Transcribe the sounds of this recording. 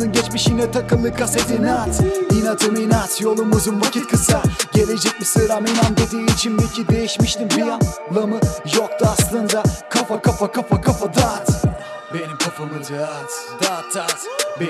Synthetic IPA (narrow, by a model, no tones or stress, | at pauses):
ɯnɟɛt͡ʃmiʃiŋlɛt̪ʰɐkɯlˠːɯkʰaset̪ʰinat̪inat̪ʰɯminat̪ʰjolˠumuzumvɐcʰit̪̚kʰɯsaɟeled͡ʒɛc̚ʲmisɯɾaminamd̪ed̪iːt͡ʃʰinbecʰid̪e̞jiʃmiʃt̪impijjanlˠɐmɯjok̚t̪uaslˠɯnd̪akʰafakafakʰafakʰafad̪at̪ | benimkʰafamɯɾ | d̪at̪ːat̪